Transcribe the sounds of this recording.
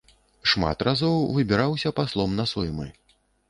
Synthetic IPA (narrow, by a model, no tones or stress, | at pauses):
ʂma̰t̪razɔwvɨbʲiɾawsʲɐpaslˠɔmnɐsɔjmɨ̰